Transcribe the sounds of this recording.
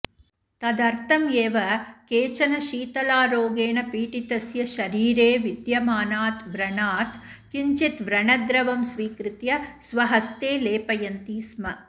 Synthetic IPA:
t̪ɐd̪ɐɾt̪ʰɐmjeːʋɐkeːt͡ʃɐnɐʃiːt̪ɐlaːɾoːɡeːnɐpiːʈit̪ɐsjɐʃɐɾiːɾeːʋid̪jɐmaːnaːt̪ʋɾɐɳaːt̪kiɲt͡ʃit̪ʋɾɐɳɐd̪ɾɐʋɐmsʋiːkɾɨt̪jɐsʋɐɦɐst̪eːleːpɐjɐnt̪iːsmɐ

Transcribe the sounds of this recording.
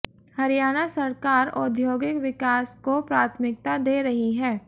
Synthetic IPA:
hɐɾijaːnasɐɾkaːɾɔ̰d̪ʱjoːɡɪkʋɪkaːskopɾaːt̪ʰmɪk̚t̪ad̪eːɾɐɦiɦɛː

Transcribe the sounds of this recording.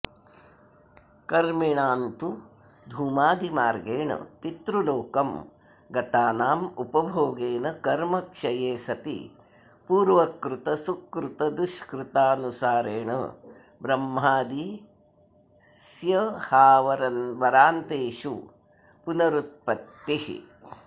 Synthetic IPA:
kɐɾmiɳaːnt̪u | d̪ʱuːmaːd̪imaːɾɡeːɳɐ̰pit̪ɾuloːkɐm | ɡɐt̪aːnaːmupɐbʱoːɡeːnɐkɐɾmɐkʂɐjeːsɐt̪ḭ | puːɾʋɐkɾut̪ɐsukɾut̪ɐd̪uʂkɾut̪aːnusaːɾeːɳɐ̰ | bɾɐmːɦaːd̪i | sjɐhaːʋɐɾɐnʋɐɾaːnt̪eːʂṵ | punɐɾut̪̚pɐt̪ːihḭ

